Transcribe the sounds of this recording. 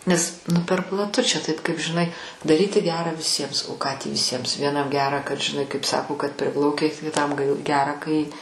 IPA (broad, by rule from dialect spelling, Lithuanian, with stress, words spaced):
nʲɛs ˈnʊ pʲɛr plˠɐˈtʊ t͡ʃʲɛ ˈtɐɪp kɐɪp ʒʲɪˈnɐɪ dɐˈrʲiːtʲɪ ˈɡʲæːrɑː ʋʲɪˈsʲiɛms oː kɑː tʲiː ʋʲɪˈsʲiɛms ʋʲiɛˈnɐm ˈɡʲæːrɑː kɐt ʒʲɪˈnɐɪ kɐɪp ˈsɑːkoː kɐt ˈpʲrʲɪplˠɐʊkʲɛɪ kʲɪˈtɐm k ˈɡʲæːrɐ kɐɪ